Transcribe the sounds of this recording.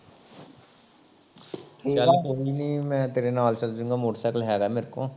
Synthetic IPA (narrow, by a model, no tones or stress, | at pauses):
ʈʰːakoːiːniːmɛ̃ːt̪eːɾenaːlt͡ʃəld͡ʒũːɡaːmoːʈsɛklɦɛːɾaːmeːɾkõː